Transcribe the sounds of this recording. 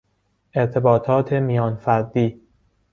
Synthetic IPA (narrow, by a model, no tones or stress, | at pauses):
ʔeɾt̪ʰe̞bɒːt̪ʰɒːt̪ʰe̞mijɒːnfæɾd̪iː